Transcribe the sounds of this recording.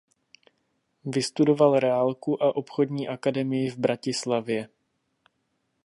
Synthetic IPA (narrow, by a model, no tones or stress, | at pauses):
vɪst̪udo̞valɾɛalkuʔaʔo̞pxo̞dɲiːʔakadɛmɪjɪvbɾacɪslavjɛ